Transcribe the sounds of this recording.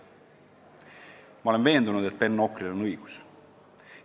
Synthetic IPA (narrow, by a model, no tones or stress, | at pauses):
mɑolenve̞ːnd̪unud̪et̪̚pe̞nːo̞krilonɯjɡ̥u̥s